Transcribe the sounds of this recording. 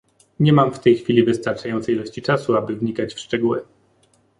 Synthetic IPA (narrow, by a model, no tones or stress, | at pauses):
ɲɛmamft̪ɛjxfʲilʲivɘst̪aɾt͡ʂajɔnt̪sɛjilɔɕt͡ɕit͡ʂasuabɘvɲikat͡ɕfʂt͡ʂɛɡuwɛ